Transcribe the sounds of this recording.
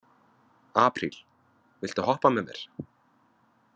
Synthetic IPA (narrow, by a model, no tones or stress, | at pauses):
aːpɾil̥ | vɪlt̪ahɔhpamɛmɛ̰ɾ̥